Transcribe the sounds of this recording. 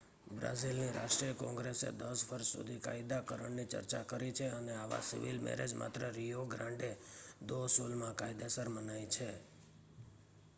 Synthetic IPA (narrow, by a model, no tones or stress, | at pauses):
bɾa̰zilniɾaʃʈɾijəkɔ̃ŋɡɾesḛd̪əsʋəɾʃsṵd̪ʱikaid̪akəɾəɳnit͡ʃə̰ɾt͡ʃakəɾit͡ʃʰeəneaʋa̰sḭʋilmɛ̰ɾḛd͡ʒma̰t̪ɾəɾijoɡɾãɳɖed̪osulmãkajd̪esəɾmənait͡ʃʰe